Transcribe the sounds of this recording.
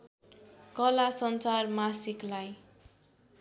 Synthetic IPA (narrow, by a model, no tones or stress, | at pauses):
kʌlasʌnt͡sarmasiklaj